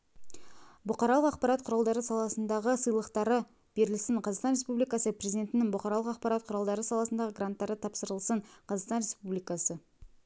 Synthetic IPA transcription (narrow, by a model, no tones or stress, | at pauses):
bʊqɑɾɑlˠəqɑqpɑɾɑt̪̚qʰʊɾɑlˠd̪ɑɾəsɑlˠɑsənd̪ɑʁəsəjlˠəqt̪ɑɾə | b̥e̞ɾɪlsɪɴqʰɑzɑqsɑnɾespublijkɑsəprezid̪e̞nt̪ɪnɪŋbʊqɑɾɑlˠəqɑqpɑɾɑt̪̚qʰʊɾɑlˠd̪ɑɾəsɑlˠɑsənd̪ɑʁəɡrant̪ːɑɾət̪ʰɑpsəɾəlˠsəɴqʰɑzɑʁst̪ɑnɾe̞spublijkɑsə